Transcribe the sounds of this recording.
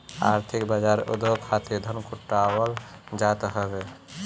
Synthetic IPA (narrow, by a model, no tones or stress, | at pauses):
a̰ɾt̪ʰikbad͡ʒaɾo̰d̪okʰat̪ed̪ʱənkʰuʈːawəld͡ʒat̪ɦəbɛ